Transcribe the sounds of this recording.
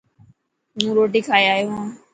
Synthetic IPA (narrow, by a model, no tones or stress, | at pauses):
nũːɾoːʈ̬iːkʰaːjaːjoɦãː